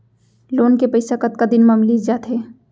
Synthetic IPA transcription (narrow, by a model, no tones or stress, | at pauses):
loːnkepɐɪsakɐt̪̚kad̪ɪnmamliːd͡ʒaːt̪ɦeː